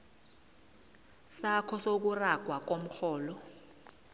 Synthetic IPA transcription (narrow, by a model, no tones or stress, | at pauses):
sakʰɔsok̬uraɡ̥ʱwak̬om̩xʰɔːlɔ